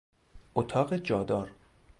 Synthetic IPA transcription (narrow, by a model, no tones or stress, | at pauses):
ʔot̪ʰɒːɣed͡ʒɒːd̪ɒːɾ